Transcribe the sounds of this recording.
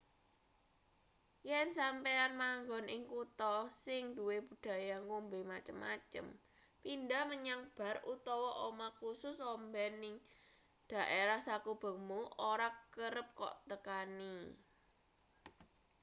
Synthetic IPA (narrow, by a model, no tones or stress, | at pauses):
jɛnsampeanmaŋɡɔnɪŋkut̪ɔsɪŋd̪̥uwebud̥a̤jaŋkumbemat͡ʃəmːa̰t͡ʃə̰m | pindaməɲaŋb̥a̤rut̪ɔwɔʔomakusʊsɔmbɛnɪŋ | d̪̥a̤ʔeɾahsakub̥ə̤muʔoɾakəɾəp̚kɔ̰ʔt̪əkani